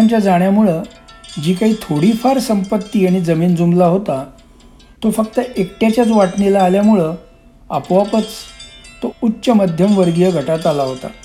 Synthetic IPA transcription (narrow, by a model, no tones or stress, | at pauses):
aɲt͡ɕjad͡zaɳjamuɭə | d͡ʑiːkaɦiːt̪ʰoɽifaɾsəmpət̪ːiːaɽ̃id͡zəmiːnd͡zumlaɦot̪a | t̪ofək̚t̪əʔekʈjat͡ɕjat͡sʋaʈnilaːljamuɭə | apʋapət͡st̪outːɕəməd̪ʱjəmʋəɾɡijəɡʱəʈat̪alaɦot̪a̰